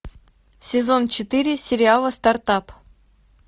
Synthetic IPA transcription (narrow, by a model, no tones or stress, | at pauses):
sʲɪzo̞nt͡ɕɪt̪ɨɾʲɪsʲɪɾʲɪalˠəst̪art̪ɑp